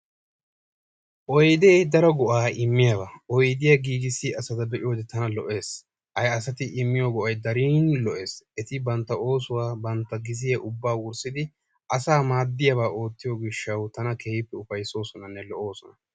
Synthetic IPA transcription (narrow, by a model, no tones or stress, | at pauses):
ʔɔjd̪eːd̪ɐɾɔɡɔʔaːɪmːɪjabaːʔɔjd̪ɪjaɡiːɡɪsːɪɐsɐd̪ɐbɛʔɪjoːd̪ɛt̪ɐnɐlɔʔe̞ːs | hɐjɐsɐt̪ɪʔɪmːɪjoɡɔʔɐjd̪ɐɾiːnlɔʔe̞ːsɛt̪ɪbɐnt̪ːɐʔo̞ːsʊwaːbɐnt̪ːɐɡɪzɪjɐʔʊbːaːwʊɾsɪd̪ɪ | ʔɐsaːmaːd̪ːɪjɐβaːʔo̞ːt̪ːɪjoːɡɪʃːɐwt̪ɐnɐkʰeːɪpːɛʊfɐjso̞ːsɔnɐnːɛlɔʔo̞ːsɔnɐ